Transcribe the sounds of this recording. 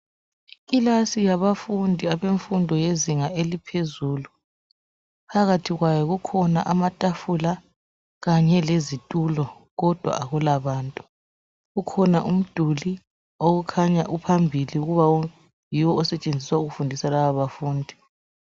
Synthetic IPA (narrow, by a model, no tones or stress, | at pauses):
ilasijaβafundʱiaβeɱfundʱɔjeziŋaelipʰezuːlu | pʰaɣatʰiɣwajɔɣukʰɔna̰ʔamatʼafula | ɣaɲɛlezitʼulɔɣɔd̥ʱwa̰ʔaɣulaβaːntʼu | ɣukʰɔnaʔum̩d̥ʱuli | oɣukʰaɲaʔupʰambʱiliuɣuβa | jiwɔːsɛt͡ʃʼend͡zʱiswauɣufundʱisalaβaβafuːndʱi